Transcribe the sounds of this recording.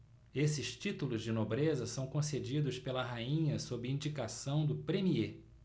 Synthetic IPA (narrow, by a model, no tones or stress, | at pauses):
esɪʃt͡ʃit̪ulʊzd͡ʒɪnobɾezɐsɐ̃w̃kõsed͡ʒid̪ʊspelɐɦaĩɲɐsobɪĩnd͡ʒikasɐ̃w̃d̪ʊpɾemie